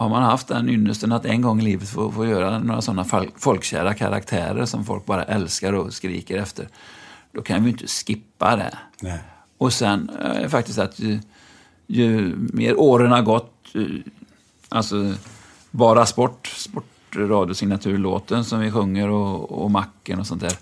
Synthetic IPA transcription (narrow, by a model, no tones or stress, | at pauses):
haɾmanɦaft̪d̪ænʏnːəst̪ənat̪ɛnɡɔŋːɪliːvət̪foːfoːjøːɾanoːɾasɔnːaffɔlkɕæ̰ːɾakʰa̰ɾa̰kt̪ʰæ̰ːɾə̰ɾʂɔmfɔlk̚bɑːɾa̰ʔɛlskaɾɔskɾḭːkəɾɛft̪ʰəɾd̪̥ɔkʰanvɪjɪnt̪ʰə̥skɪpːa̰d̪ɛ̰ | ɔsɛn̰ɛ̰ɛfak̚t̪ɪst̪at̪ʰj | jɵmḛːɾoːɾənaɾɡɔt̪ː | ʔalsɔ | bɑːɾaspɔʈːspɔʈ | ɾɑːd̪jʊsɪŋnat̪ʰʉ̟ːɭo̰ːt̪ənsɔmvɪɧɵŋːəɾɔɔ̰makːənɔsɔnt̪d̪æːɾ